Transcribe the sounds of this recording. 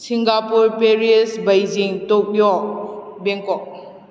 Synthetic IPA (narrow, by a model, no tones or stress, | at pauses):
siŋɡapuɾpeɾiesbajziŋtok̚jɔ | bɛŋkɔk̚